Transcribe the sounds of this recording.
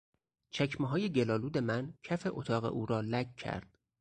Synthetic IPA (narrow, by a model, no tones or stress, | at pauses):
t͡ʃʰæcʰmeɦɒːje̞ɟelɒːluːd̪e̞mæncʰæfe̞ʔot̪ʰɒːɣe̞̰ʔuːɾɒːlækcʰːæ̰ɾd̪̥̚